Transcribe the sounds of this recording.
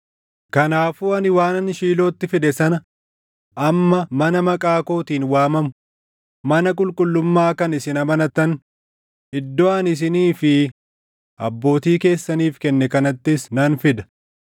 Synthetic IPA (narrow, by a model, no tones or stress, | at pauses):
kɐnaːfuːɐnɪwaːnɐnʃiːloːt̪ːɪfɪd̪ɛsɐnɐ | ʔɐmːɐmɐnɐmɐkʼaːko̞ːt̪iːnwaːmɐmʊ | mɐnɐk̬ʼʊlkʼʊlːʊmːaːkɐnɪsɪnɐmɐnɐt̪ːɐn | ɪd̪ːɔanɪs̬ɪniːfɪ | ʔɐ̰bːo̞ːt̪iːke̞ːsːɐniːfkɛnːɛkɐnɐt̪ːɪsnɐnfɪd̪ɐ̥